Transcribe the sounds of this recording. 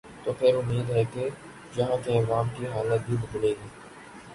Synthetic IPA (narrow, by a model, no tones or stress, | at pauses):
t̪oːpʰɪɾʊmiːd̪ɦɛke | d͡ʒɐɦãt̪eɐʋaːmkiɦaːlət̪̚bʱibɪd̪leːɡiː